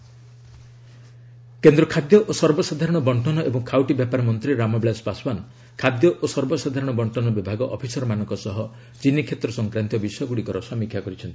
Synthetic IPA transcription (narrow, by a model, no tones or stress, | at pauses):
kend̪ɾɔkʰad̪jɔʔosɔɾbɔsad̪ʱaɾɔɽ̃ɔbɔɳʈʰɔnɔʔebɔŋkʰawʈibjapaɾɔmɔnt̪ɾiɾamɔblaspaswan | kʰad̪jɔʔosɔɾbɔsad̪ʱaɾɔɽ̃ɔbɔɳʈʰɔnɔbibʱaɡɔʔɔpʰisɔɾɔmanɔ̃ŋkɔsɔɦɔ | t͡ʃinːikʰet̪ɾɔsɔŋkɾant̪ɔbisɔjɔɡuɽikɔɾɔsɔmikʰjakɔɾit͡ʃʰɔnt̪i̥